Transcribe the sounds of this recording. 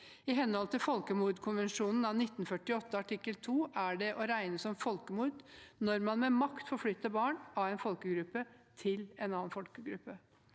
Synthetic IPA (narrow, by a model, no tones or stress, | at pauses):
ɪɦɛnhɔlt̪ʰɪlfɔlkəmuːɾd̪kʰʊnʋənʂuːnn̩ɑʋnɪt̪ːnfœʈɪɔt̪ːəɑʈʰɪkːəlt̪ʰuːʔæɖɛʔɔɾæɪnəsɔmfɔlkəmuːɾd̪nɔɾmɑnmɛmɑkt̪fɔɾflʏt̪ːəbɑːɳɑʋæɪnfɔlkəɡɾʉpːət̪ʰɪlɛnɑːnfɔlkəɡɾʉpːə